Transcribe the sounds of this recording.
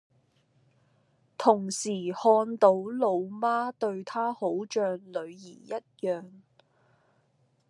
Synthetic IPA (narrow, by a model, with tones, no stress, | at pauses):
t̪ʰʊ˨˩ŋsiː˨˩hɔː˧nt̪o˨˥wlo˨˧wmaː˥t̪ɵ˧ɥt̪ʰaː˥ho˨˥wt͡ʃœː˧ŋlɵ˨˧ɥjiː˨˩jɐ˥t̚jœː˨ŋ